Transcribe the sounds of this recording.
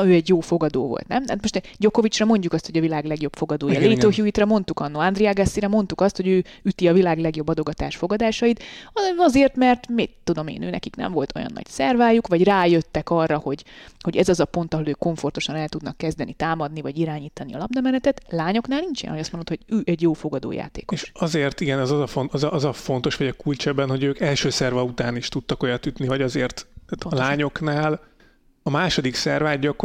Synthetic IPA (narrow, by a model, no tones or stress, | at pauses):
øːɛɟjoːfo̞ɡɒd̪o̰ːvo̰lt̪nɛmt̪at̪mo̞ʃt̪ | ɟo̞ko̞vit͡ʃrɒmo̞ɲɟukɒst̪hoɟɒvilaːɡlɛɡjo̞bfo̞ɡɒd̪oːjɒleːt̪oːhjuit̪rɛmo̞nt̪ukɒnːoːand̪rijaɡɛsːiɾɛmo̞nt̪ukɒst̪ho̞ɟøːyt̪iɒvilaːɡlɛɡjo̞bːɒd̪o̞ɡɒt̪a̰ːʃfo̞ɡɒd̪aːʃɒjit̪ɒɒzeːrt̪mɛrt̪mit̪ːud̪o̞mḛːnøːnɛ̰kiknɛ̰ɱvo̞lt̪o̞̰jɒ̰nːɒ̰ɟsɛrvaːjukʋɒɟraːjøt̪ːɛkɒrːɒho̞ɟho̞ɟɛzɒzɒpo̞nt̪ɒɦo̞løːkːo̞ɱfo̞rt̪o̞ʃɒnɛlt̪ud̪nɒkːɛzd̪ɛnit̪aːmɒd̪nivɒɟiɾaːɲiːt̪ɒniɒlɒb̚d̪ɒmɛnɛt̪ɛt̪laːɲo̞knaːlnint͡ʃjɛ̰nhojɒst̪monot̪hoɟøːʔɛɟjoːfo̞ɡɒd̪o̰ːja̰ːt̪ḛːkoeʃʃɒzeːrt̪iɡɛnɛzɒzɒfonɒzɒʔɒzɒfo̞nt̪o̞ʃʋɒɟɒkult͡ʃɛbːɛnɦo̞ɟøːkɛlʃøːsɛrvɒut̪aːniʃt̪ut̪ːɒko̞jɒt̪yt̪nivɒɟɒzeːrt̪aːt̪laːɲo̞knaːl | ɒmaːʃo̞d̪iksɛrvaːɟːɒk